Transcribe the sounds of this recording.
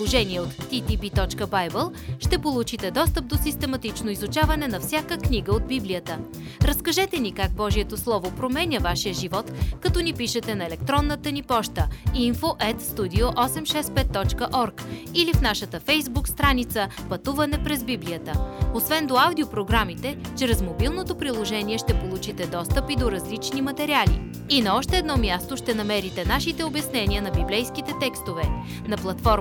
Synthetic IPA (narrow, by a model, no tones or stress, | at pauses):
plˠoʒɛniɛot̪ːit̪ipit̪ɔt͡ʃkəbajbəlˠʃt̪ɛpolˠut͡ʃit̪ɛd̪ɔst̪əp̚d̪osist̪ɛmɐt̪it͡ʃnoizut͡ʃavɐnɛnɐfsʲjakəkniɡəod̪biblijət̪ə | ɾɐskɐʒɛt̪ɛnikaɡ̚bɔʒiɛt̪oslˠɔvopɾomɛnʲəvaʃiəʒivɔt̪kɐt̪ɔnipiʃɛt̪ɛnɐɛlɛkt̪ɾɔnːət̪ənipɔʃt̪əinfoʔɛt̪st̪ud̪ioʔɔsɛmʃɛspɛt̪ːɔt͡ʃkəʔɔɾkilifnaʃət̪əfɛjzbukst̪ɾanit̪səpɐt̪uvɐnɛpɾɛzbibliət̪əosvɛnd̪oawd̪iopɾoɡɾamit̪ɛt͡ʃɾɛzmobilˠnot̪opɾilˠoʒɛniɛʃt̪ɛpolˠut͡ʃit̪ɛd̪ɔst̪əpid̪oɾɐzlit͡ʃnimɐt̪ɛɾialḭ | inɐɔʃt̪ɛːd̪nɔmʲjast̪oʃt̪ɛnɐmɛɾit̪ɛnaʃit̪ɛobjɐsnɛniənɐbiblɛjskit̪ɛt̪ɛkst̪ovɛ | nɐplˠɐt̪fɔɾ